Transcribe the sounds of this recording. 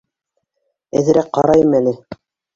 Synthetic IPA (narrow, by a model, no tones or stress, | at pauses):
æðɘ̆ɾæk̚qɑɾɑjɤ̆mælɘ